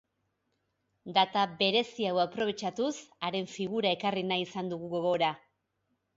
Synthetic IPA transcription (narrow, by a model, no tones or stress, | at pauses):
d̪at̪abe̞ɾe̞siawapɾo̞β̞e̞t͡ʃat̪usaɾe̞ɱfiɣuɾae̞karinajisand̪uɣuɣo̞ɣ̞o̞ɾa